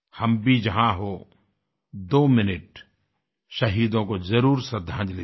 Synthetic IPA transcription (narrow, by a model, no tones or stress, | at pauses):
hɐmbʱid͡ʒɐɦãɦo | d̪oːmɪnɪʈ | ʃɐɦiːd̪õkozɐɾuːɾsɐd̪ʱːãːd͡ʒle